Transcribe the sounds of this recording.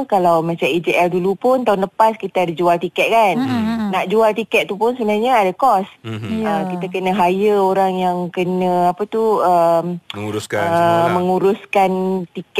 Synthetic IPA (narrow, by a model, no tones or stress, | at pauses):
kalawmat͡ʃamid͡ʒiɛldulupʊnt̪aʊnləpaskit̪adid͡ʒualt̪ikɛt̪̚kanːaʔd͡ʒualt̪ikɛtʔ̚t̪upʊnsəbənarɲaadakɔsəkit̪akənə̃ɦajəoɾaŋjaŋkənə̃apat̪uəmɾuskaəmə̃ŋuɾuskant̪ik